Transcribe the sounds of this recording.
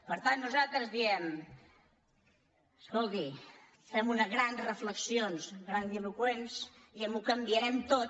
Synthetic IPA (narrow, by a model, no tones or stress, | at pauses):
pəɾt̪anːuzalˠt̪ɾəzðiɛm | əskolˠt̪i | fɛmunəzɣɾanzrəfləksionsɣɾand̪ilukwensiəmukəmbiəɾɛmt̪ot